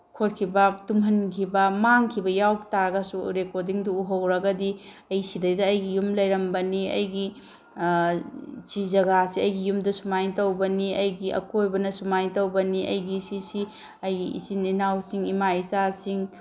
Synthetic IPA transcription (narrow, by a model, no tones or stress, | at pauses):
kʰot̚kʰibɐtumɦɐnkʰibɐmaŋkʰibɐjawtaɾɐɡɐsuɾekoɾdiŋduuɦɐwɾɐɡɐdi | ɐjsidɐjdɐːjɡijumlɐjɾɐmbɐniɐ̰jɡi | t͡ʃizɐɡasiɐjɡijumdɐsumajtɐwbɐniɐjɡiʔɐ̰kojbɐnɐsumajtɐwbɐniɐ̰jɡisisi | ɐjɡiḭsininawsiŋimaisasiŋ